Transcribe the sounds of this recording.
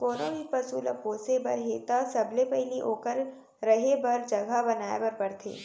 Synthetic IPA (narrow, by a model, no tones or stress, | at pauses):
koːnõbipɐsuːlɐpoːsebɐɾɦeːt̪asɐblepɛɦɪliʔoːkəɾ | ɾɐɦebɐɾd͡ʒɐɡʱabɐnaːebɐɾpɐɾt̪ʰḛː